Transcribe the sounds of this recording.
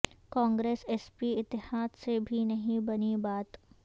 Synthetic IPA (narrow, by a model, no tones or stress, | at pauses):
kãːŋɡɾeːseːspiɪt̪ːɪhaːd̪sebʱinɐɦĩbɐnibaːt̪